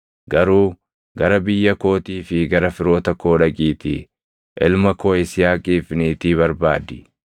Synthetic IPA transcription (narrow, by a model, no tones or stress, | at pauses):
ɡɐɾuː | ɡɐɾɐbɪjːɐko̞ːt̪iːfɪɡɐɾɐfɪɾo̞ːt̪ɐkoːᶑɐkʼiːt̪ɪ | ʔɪlmɐkoːɪsɪjaːkʼiːfniːt̪iːβɐɾbaːd̪ɪ̥